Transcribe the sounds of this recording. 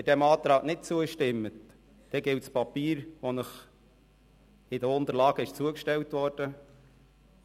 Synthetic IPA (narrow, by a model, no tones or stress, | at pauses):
ɪdɛmɑːt̪ɾɑːɡnɪt̚t͡suəʃtɪmːət | d̥ɛɡɪltspɑpiːɾʋonəχ | ɪdəʊnt̪əɾlɑːɡ̥əɪʃt͡suəkʃtɛwtʋɔɾd̥ə